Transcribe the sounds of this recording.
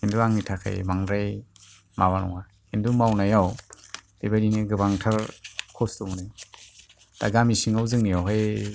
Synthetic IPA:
hinduaŋnitʰakʰa̰jmaŋɾaj | maβanɔ̰ŋa | hindumawnajawdebajdineɡɯbaŋtʰaɾkʰɔsduŋnaj | d̥a̰ɡamisiŋawzɯŋnijawɦaj

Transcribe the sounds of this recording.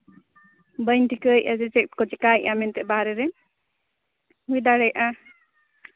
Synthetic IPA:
bəjnʈikəjʔad͡ʒɛd͡ʒɛk̚ʈkɔd͡ʒɛkajʔamɛnt̪ɛʔbaɾɛɾɛ | ɦujd̪aɽɛjʔa

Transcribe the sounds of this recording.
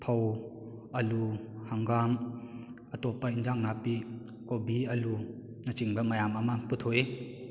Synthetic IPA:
pʰaw | ɐluhaŋɡam | ɐtopːɐinzaŋnapi | kobiɐlu | nɐt͡ʃiŋbɐmɐjamɐmɐputʰoe

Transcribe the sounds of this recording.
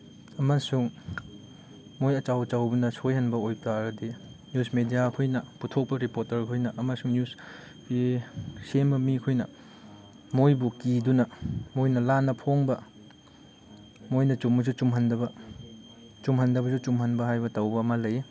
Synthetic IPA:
ɐmɐsuŋ | mojɐt͡ʃawt͡ʃawbɐnɐsʰojhɐnbɐojpaɾɐdi | njusmedijakʰojnɐputʰok̚pɐɾipoɾtɐɾkʰojnɐʔɐmɐsuŋnjus | isembɐmikʰojnɐ̰ | mojbukidunɐmojnɐlanːɐpʰoŋbɐ | mojnɐt͡ʃumɐzut͡ʃumɦɐndɐbɐ | t͡ʃumɦɐndɐbɐzut͡ʃumɦɐnbɐɦajbɐtɐwbɐːmɐlɐj

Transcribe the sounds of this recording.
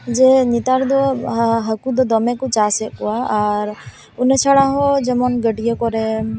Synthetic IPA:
d͡ʒɛɲit̪aɾd̪ɔɦəkud̪ɔd̪ɔmɛkut͡ʃasɛʔkɔwaːɾ | unɛt͡ʃʰaɽaɦɔd͡ʒɛmɔnɡəɖijekɔɾɛ

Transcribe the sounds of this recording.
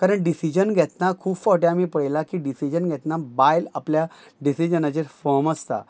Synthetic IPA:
kaɾəɳɖisid͡ʑənɡʱɛt̪nakʰuːbfɔʈjamiːpəɭjlakiɖisid͡ʑənɡʱɛt̪nabajlaplja | ɖisid͡ʑənad͡ʑeɾfɔməst̪a̰

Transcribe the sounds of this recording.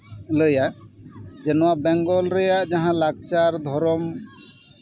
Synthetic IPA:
ləjaʔd͡ʒɛnɔwaʔbɛ̃ŋɡɔlɾɛjaʔd͡ʒaɦãlaɡt͡ʃaɾd̪ʱɔɾɔm

